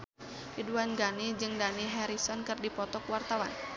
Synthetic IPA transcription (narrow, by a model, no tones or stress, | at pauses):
kiduanɡanid͡ʒɨŋdaniɦɛɾisɔnkɨrdipɔt̪ɔkwart̪awa̰n